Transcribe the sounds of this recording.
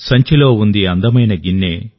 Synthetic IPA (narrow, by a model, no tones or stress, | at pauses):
sɐɲt͡ʃɐlo̞ːund̪iɐnd̪ɐmɐjnɐɡinːeː